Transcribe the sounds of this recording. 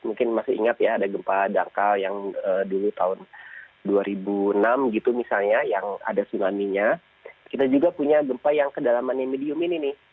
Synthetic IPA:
muŋkɪnmasɪḭŋat̪jaːdaɡəmpadaŋkaljaŋəːdulut̪aʊn | duaɾibuənamɡit̪umisalɲajaŋa̰dasunamiɲa | kit̪ad͡ʒuɡapuɲaɡəmpajaŋkədalamanɲamediʊmininɪh

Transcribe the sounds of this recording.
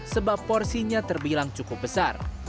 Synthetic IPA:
səbapːɔrsiɲat̪ərbilaŋt͡ʃukʊp̚bəsar

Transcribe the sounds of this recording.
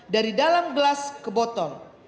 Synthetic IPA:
daɾidalamɡəlaskəbɔt̪ɔŋ

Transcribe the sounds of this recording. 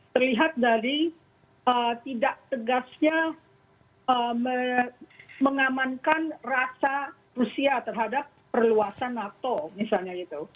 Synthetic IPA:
t̪ərliɦat̪̚daɾi | ət̪idaʔ̚t̪əɡasɲa | əmə | məŋamankanrasa | rusiat̪ərɦadapːərluasanːat̪omisalɲait̪u

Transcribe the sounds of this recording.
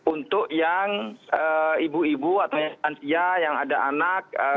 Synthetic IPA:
unt̪ʊʔjaŋəibuibuat̪awjaant̪iajaŋadaʔanak̚ə

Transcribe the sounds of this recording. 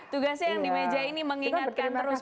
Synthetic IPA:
t̪uɡasjaŋdimed͡ʒainiməŋiat̪̚kant̪əɾʊs

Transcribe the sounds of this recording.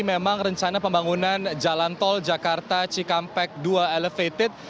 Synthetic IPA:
memaŋrəɲt͡ʃanapəmbaŋunand͡ʒalant̪ɔld͡ʒakart̪at͡ʃikampɛk̚duaɛləfet̪ɪt̪̚

